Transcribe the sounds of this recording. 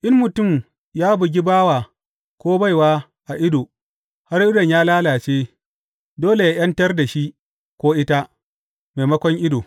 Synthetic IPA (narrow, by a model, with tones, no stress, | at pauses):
ʔɪ˦mmʊ˨tʊ˦˨m | jaː˦bʊ˨ɡʲi˦baː˦waː˨ | kʷoː˦ba˦jwaː˦ | ʔa˨ʔɪ˦doː˨ | ha˦ɾʔɪ˦dɔ˨ɲjaː˦laː˦laː˨t͡ʃeː˦ | doː˦le˨jaː˦j̰ɐ˦ntɐ˦rda˨ʃi˦ʔ | kʷoː˦ʔɪ˦ta˦ | ma˨mɐ˦kʷɔ˦ŋʔɪ˦doː˨